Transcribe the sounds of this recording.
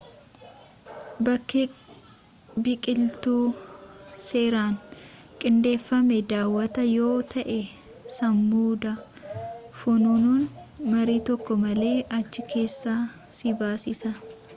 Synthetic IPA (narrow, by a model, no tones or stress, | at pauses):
bɐkːe | bɪkʼɪlt̪uː | seːɾaːŋ | kʼɪnd̪e̞ːfːɐmɛd̪aːwːɐt̪ɐjo̞ːt̪ʰɐʔɛ | sɐmːuːd̪ɐ | fʊnuːnuːnmɐɾiːt̪ɔkːɔmɐle̞ːʔɐt͡ʃːɪkʰe̞ːsːaː | sɪbaːsɪsɐ